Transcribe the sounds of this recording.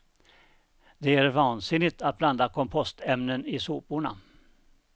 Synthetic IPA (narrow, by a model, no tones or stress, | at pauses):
d̪ɛæɾvɑːnsɪnɪɡt̪at̪̚bland̪akʰɔmpʰɔst̪ɛmnənɪsuːpʊɳa̰